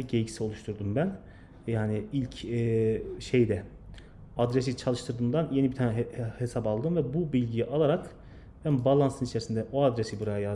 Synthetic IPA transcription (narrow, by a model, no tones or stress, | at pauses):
ɟejɟi̥sio̞lˠuʃt̪ʰuɾd̪umbæn | jaːnɪilʲcʰː | ʃejd̪ɛ | ad̪ɾes̬it͡ʃʰalˠɯʃt̪ʰɯɾd̪ɯmnd̪anjeibit̪ʰanɛhe̞sapalˠd̪ɯmvɛbubilʲɟijiʔalˠaɾak | b̥ænbalˠansɯnit͡ʃʰɛɾsind̪ɛʔoad̪ɾesibuɾajaja